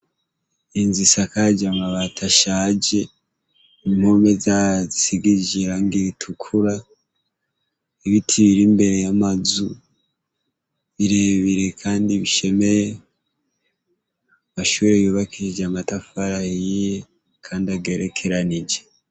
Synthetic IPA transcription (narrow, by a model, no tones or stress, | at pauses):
inzisakad͡ʒaŋaβatʰaʃad͡ʒe̞ | im̥hoːmezazisiɡid͡ʒiɾaŋɡiɾitʰukʰuɾa | iβitʰiβiɾimbe̞ɾe̞jamazu | βiɾe̞βiɾe̞kʰaːndiβiʃe̞me̞je | amaʃuːɾejuːβakiid͡ʒamatafaɾajije | kʰaːndiaɡe̞ɾekʰe̞ɾanid͡ʒe